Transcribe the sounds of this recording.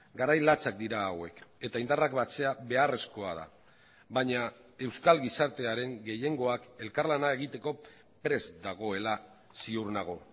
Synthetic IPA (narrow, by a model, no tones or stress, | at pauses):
ɡaɾajlat͡sak̚d̪iɾaːwe̞ke̞t̪aind̪arakbat͡se̞aβe̞are̞sko̞a̰ð̞a̰ | βaɲae̞wskalɡisaɾt̪e̞aɾe̞ŋɡe̞je̞ŋɡo̞ake̞lkaɾlanae̞ɣ̞it̪e̞ko̞ | pɾe̞zd̪aɣ̞o̞e̞la | siuɾnaɣ̞o̞